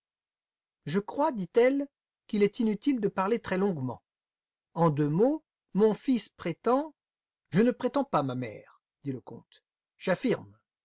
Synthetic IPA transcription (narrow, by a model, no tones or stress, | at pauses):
ʒəkχwad̪it̪ɛl | kilɛt̪inyt̪ild̪əpaʁlet̪χɛlɔ̃ɡmɑ̰̃ | ɑ̃d̪ømo | mɔ̃fispχet̪ɑ̃ | ʒənəpχet̪ɑ̃pamamɛ̰ːʁ | d̪iləkɔ̰̃t̪ | ʒ̥afiʁm